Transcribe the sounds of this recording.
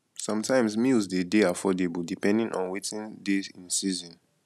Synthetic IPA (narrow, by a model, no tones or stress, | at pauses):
sʌ̃mtʰãɪ̃mzmilzdedeafɔdebudipɛ̃ndĩŋʔɔ̰̃nwetĩndezĩnsizɔ̃n